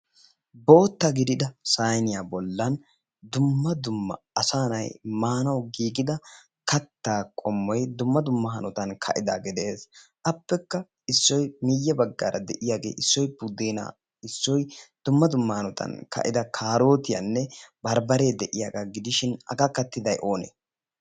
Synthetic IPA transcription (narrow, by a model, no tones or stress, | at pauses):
bo̞ːt̪ːɐɡɪd̪ɪd̪ɐsaːjnɪjaːbɔlːɐn | d̪ʊmːɐd̪ʊmːɐ̰ | ɐsaːnɐ̰jmaːnɐwɡiːɡɪd̪ɐ | kɐt̪ːaːkʼɔmːɔjd̪ʊmːɐd̪ʊmːɐɦɐnɔt̪ɐnkʰɐ̰ʔɪd̪aɡɪd̪e̞ːsʔɐpːɛkːɐ | ɪsːɔjmɪjːɛbɐɡːa̰ːɾɐd̪ɛʔɪjaːɡe̞̰ːʔɪsːɔjbud̪eːna̰ː | ɪsːɔjd̪̥ʊmːɐd̪ʊmːɐhɐnɔt̪ʰɐ̰nkɐ̰ʔɪd̪ɐkʰaːɾo̞ːt̪ɪja̰nːɛbɐɾbɐɾe̞ːd̪ɛʔɪjaːɡaːɡɪd̪ɪʃɪnɐ̰ɡakːɐt̪ːɪd̪ɐjʔo̞ːnḛː